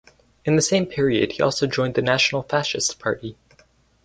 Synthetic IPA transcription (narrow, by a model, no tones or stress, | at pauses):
ɨ̃nðɨsẽɪ̃mpʰɪɹiɨ̰d̥̚hiʔɔ̰lˠsoʊd͡ʒɔ̃ɪ̃nðɨnæʃn̩l̩ˠfæʃɨstpʰɑ̰ɹɾi